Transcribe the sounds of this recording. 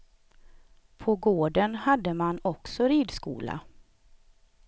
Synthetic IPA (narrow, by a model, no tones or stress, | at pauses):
pʰɔɡoːɖənhad̪ːəmanɔksɔɾiːd̪skṵːla̰